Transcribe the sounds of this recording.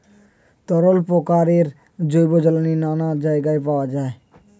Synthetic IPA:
t̪ɔɾolpɾokaɾeɾ | d͡ʑojbod͡ʑɔlaninanad͡ʑaeɡaepaoad͡ʑae

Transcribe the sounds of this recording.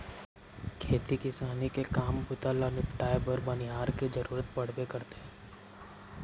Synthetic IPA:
kʰeːt̪ikɪsaːnikekaːmpʊt̪alanɪpʈaːebəɾbɐnɪɦaːɾked͡ʒɐɾuːɾət̪̚pɐɽ̤bekɐɾt̪eɦɛ

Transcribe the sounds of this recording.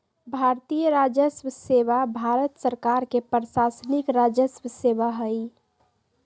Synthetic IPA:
bʱaɾt̪ijəɾad͡ʒəsʋəseʋabʱaɾət̪səɾkaɾkepɾsasnikɾad͡ʒəswəseʋaɦəj

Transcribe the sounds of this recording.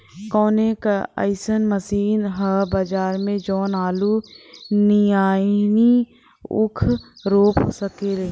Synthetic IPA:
kɔːnekaə̰ɪsənməsiːnɦəbəd͡ʒaːɾmẽd͡ʒɔːnaːlunijaːni | ʊ̰kʰɾoːpːsəkeːleː

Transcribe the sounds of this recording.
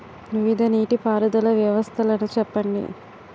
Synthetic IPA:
ʋiʋid̪ʱɐniːʈipaːɾud̪ɐlɐʋjɐʋɐst̪ʰɐlɐnut͡ʃɛpːɐɳɖḭ

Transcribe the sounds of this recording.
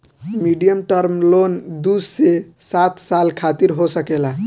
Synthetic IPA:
miɖijəmʈəɾmlond̪ussesat̪ʰsalkʰat̪iɾɦosəkela

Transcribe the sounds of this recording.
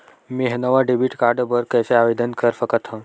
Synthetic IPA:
miɦenəʋaɖebiʈkaɾɖbəɾkəseaʋed̪ənkəɾfəkət̪ʰə̃

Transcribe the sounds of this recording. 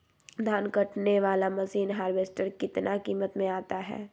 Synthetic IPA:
d̪ʱaːnkəʈʰneʋaːlamɐsiːnɦaːɾʋeːsʈəɾkɪt̪nakiːmət̪mẽaːt̪aɦɛ̰ː

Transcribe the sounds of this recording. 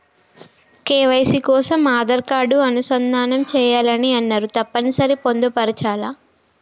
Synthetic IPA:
kɛːʋɐjsikɔːsɐmaːd̪ɐɾkaːɾɖuɐnusɐnd̪ʱaːnɐmt͡ʃɛːjaːlɐniɐnːɐɾut̪ɐpːɐnisɐɾipo̞nd̪upɐɾɐt͡ʃaːla

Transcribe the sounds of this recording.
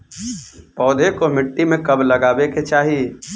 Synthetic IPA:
pɔːd̪ʱekomɪʈːimekəbʱləɡaːbeket͡ʃaːɦi

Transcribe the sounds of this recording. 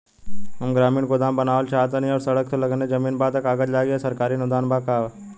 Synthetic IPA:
ɦəmɡɾaːmiːɳkod̪aːmbənaːʋəlt͡ʃʰaːt̪ənĩɔːɾsəɽəkseləɡned͡ʒəmiːnbaːd̪əkaːɡəd͡ʒlaːɡesəɾkaːɾinʊd̪aːnbaːkaːʋ

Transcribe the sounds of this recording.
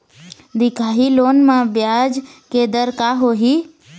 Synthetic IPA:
d̪ɪkʰaːɦiloːnmãbjaːd͡ʒked̪əɾkaːɦoːɦiː

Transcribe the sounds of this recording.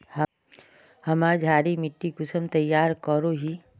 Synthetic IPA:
h | hɐmaːd͡ʒʱaːɽimɪʈːiɡʊsəmt̪ɐjːaːɾkɔɾoɦi

